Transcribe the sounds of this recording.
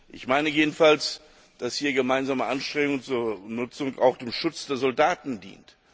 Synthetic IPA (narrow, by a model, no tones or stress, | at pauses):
ʔɪçmaɪnəjeːdn̩fals | d̥ashiːɐɡəmaɪnzaːməʔanʃtʁ̥ɛŋʊŋt͡suːɐnʊt͡sʊŋa̰ʊxd̥eːmʃʊt͡sd̥eːɐzɔldaːtn̩dḭːnt